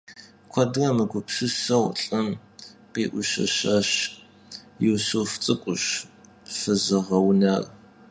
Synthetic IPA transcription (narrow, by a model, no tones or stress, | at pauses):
kʷʰɐdɣɐmɨɡʷʊpsɨsɐwɬʼɐmqiːʔʷʊɕɐ̰ɕɐɕ | juːsuft͡sʼɨkʷʼʊɕ | fɨzɨʁɐwnaːr